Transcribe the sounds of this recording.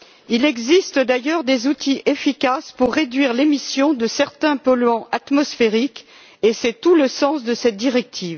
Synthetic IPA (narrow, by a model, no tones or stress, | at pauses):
ilɛɡzist̪d̪ajœʁd̪ezut̪ʰiʔefikʲaspuʁːed̪ɥiʁlemisjɔ̃d̪əsɛʁt̪ɛ̃pɔlɥɑ̃ʔat̪mɔsfeʁik | esɛt̪uləsɑ̃sd̪əsɛt̪̚d̪iʁɛk̚t̪ʰiːv